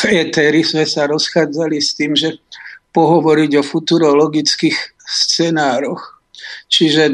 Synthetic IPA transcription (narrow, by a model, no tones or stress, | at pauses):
fɛt̪ɛɾismɛsaɾɔsxaːd͡zalist̪iːmʒɛpɔɦɔʋɔɾiɟɔfut̪uɾɔlɔɡit͡skiːxst͡sɛnaːɾɔx | t͡ʃiʒɛ